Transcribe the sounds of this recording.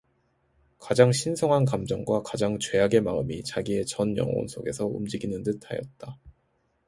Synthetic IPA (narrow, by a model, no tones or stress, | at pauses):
kad͡ʑaŋɕʰinsʰoŋɦankamd͡ʑʌŋɡwakad͡ʑaŋt͡ɕwe̞jaɡe̞maɯmit͡ɕaɡie̞t͡ɕʌnjʌ̰ŋo̰nsʰoɡe̞sʰʌṵmd͡ʑiɡinɯndɯtʰajʌ̰t̚t͈a